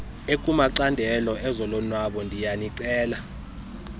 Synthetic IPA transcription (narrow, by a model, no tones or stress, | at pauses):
ekʼumaǀandʱɛlɔʔɛzɔlɔnwaɓɔndʱijaniǀɛːla